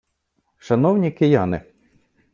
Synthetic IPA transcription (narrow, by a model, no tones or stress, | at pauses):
ʃɐnɔwnʲikɪjɑnɪ̰